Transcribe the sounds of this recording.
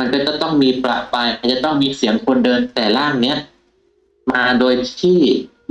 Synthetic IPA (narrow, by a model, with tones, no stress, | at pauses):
ma˧nkɔː˥˩t͡ɕa˨˩t̪ɔ˥˩ŋmiː˧pla̰˨˩ʔpa˧jʔa˧˩t͡ɕa˨˩t̪ɔ˥˩ŋmiː˧si˩˦əŋkʰo˧ndɤː˧nt̪ɛː˨˩laː˥˩ŋni˦˥ɐʔ | maː˧doː˧jt̪ʰiː˥˩